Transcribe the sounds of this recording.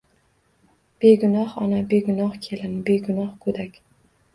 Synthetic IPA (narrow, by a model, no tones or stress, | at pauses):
b̥eɡʊnɒhɒnabeɡʊnɒhkʲʰelɪnbeɡʊnɒhkʰɵd̪akʲ